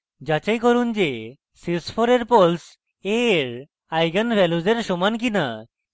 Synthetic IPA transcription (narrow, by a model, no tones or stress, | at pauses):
d͡ʑat͡ɕajkɔɾund͡ʑe | sisfʰoɾeɾpols | eɾ | ajɡənfɛlud͡zeɾʃomank̬ina